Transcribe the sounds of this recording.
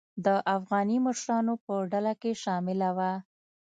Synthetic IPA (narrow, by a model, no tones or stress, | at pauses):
d̪əʔafɣɑniməʃɾɑnopəɖalakeʃɑmɪlawa